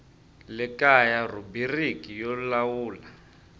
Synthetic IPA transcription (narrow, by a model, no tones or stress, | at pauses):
lɪkajarubirikijɔlawuːla